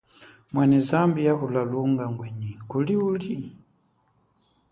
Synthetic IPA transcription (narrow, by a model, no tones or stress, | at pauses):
mwanɛzambijaʔulaluŋɡaŋɡwɛɲikuliuli